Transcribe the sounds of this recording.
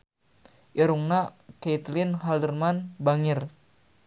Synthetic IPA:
ʔiɾuŋnaket̪lɪnɦaldərmanbaŋɪr

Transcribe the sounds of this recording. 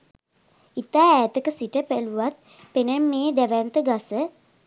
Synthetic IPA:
it̪aːæːt̪əkəsiʈəpæluʋat̪̚ | penemːeːd̪æʋɛnt̪əɡasə

